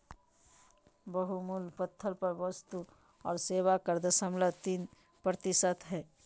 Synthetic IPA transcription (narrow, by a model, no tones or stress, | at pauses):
bəɦumulpət̪ʰːəɾpəɾwəst̪u | ɔːɾseːwakəɾd̪əsəmlət̪iːn | pɾət̪ɪsət̪ɦɛː